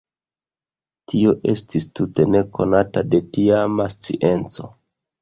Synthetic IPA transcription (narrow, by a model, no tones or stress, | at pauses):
tʰio̞ʔe̞stistute̞ne̞kʰo̞natade̞tiamast͡sḭʔe̞nt͡so̞